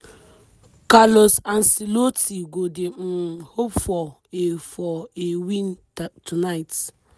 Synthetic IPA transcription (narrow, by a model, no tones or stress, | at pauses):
kalosansilotiɡodɪhopfɔ | efɔewĩn | tʰunajt